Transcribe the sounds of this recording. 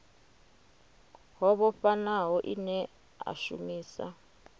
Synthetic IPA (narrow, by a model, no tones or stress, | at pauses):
ɦɔβɔɸanaɦɔʔinɛ | a̰ʃṵmiːsa̰